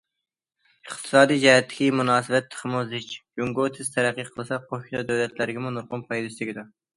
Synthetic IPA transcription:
əχt̪ʰɨ̥sɑːd̪ijd͡ʒɛɦɛt̪ʰːɪ̥kʲimunɑːsɨbɛt̪ʰːə̥χʰmuzɪt͡ʃd͡ʒuŋɡot̪ʰɪz̥t̪ʰɛɾæqːiqʰəlˠɨsɑqʰoʃinɑd̪ɛwlɛt̪ʰlæɾɪɡʲɪmunuɾqʊnpʰɑjd̪ɨslɪɡʲid̪u

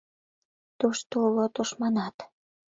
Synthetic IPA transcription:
t̪uʃt̪oulot̪uʃmɑnɑt̪

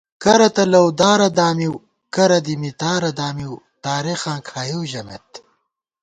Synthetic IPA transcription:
kɐɾɐt̪ɐlɐwd̪aːɾɐd̪aːmiw | kɐɾɐd̪imit̪aːɾɐd̪aːmiw | t̪aːɾexãːkʰaːjuwʑɐmḛt̪̚

